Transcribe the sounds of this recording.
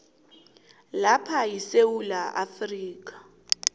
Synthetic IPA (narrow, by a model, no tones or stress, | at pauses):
lapʰajisewulaʔa̰friːk̬ʼḁ